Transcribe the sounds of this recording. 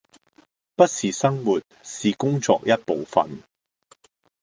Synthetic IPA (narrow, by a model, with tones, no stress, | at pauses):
pɐ˥t̚siː˨sɐ˥ŋwuː˨˩t̚siː˨kʊ˥ŋt͡sɔ̰ː˧k̚jɐ˥t̚po˨wfɐ̰˨n